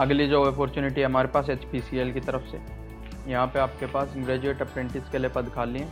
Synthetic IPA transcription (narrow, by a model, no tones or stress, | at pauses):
ɐɡlid͡ʒoːpɔːɾt͡ʃuːnɪʈiɦɛɦɐmaːɾepaːset͡ʃpiːsielkit̪ɐɾəfsḛ | jɐɦãpeaːp̚kepaːsɡɾɛːd͡ʒueːʈɐpɾẽɳʈɪskeliepɐd̪kʰaːlĩẽː